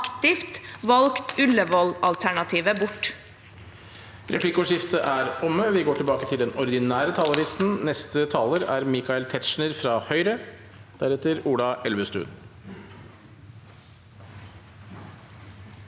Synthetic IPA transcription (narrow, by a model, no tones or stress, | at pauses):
kt̪ɪft̪ʋɑlkt̪ʉləʋɔlɑ̰lt̪ʰæɳɑt̪ʰiːʋəbʊʈː | ɾʔɛ̰pʰlɪkʊʂɪft̪əʔæɾɔmːəʋɪɡoːʈʰɪlbɑːkət̪ʰɪld̪ɛnɔɾɪd̪ɪnæːɾət̪ʰɑːləɾɪst̪n̩nɛst̪ət̪ʰɑːləɾæɾmɪkɑɪlt̪ʰɛt̪ʃɳəɾfɾɑhœʏɾə | d̪̥æɾɛt̪ːəɾuːlɑʔɛlʋəst̪ʉ̰ːn